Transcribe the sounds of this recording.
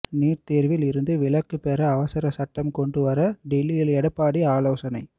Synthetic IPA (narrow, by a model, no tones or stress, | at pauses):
niːʈt̪eːɾʋɪlɪɾɯnd̪ɯʋɪlɐkːɯpɛːɾɐːʋɐsɐɾɐsɐʈːɐmkɔɳɖɯʋɐɾɐɖɛlːijɪlɛɽɐpːaːɽiaːloːsɐnɐɪ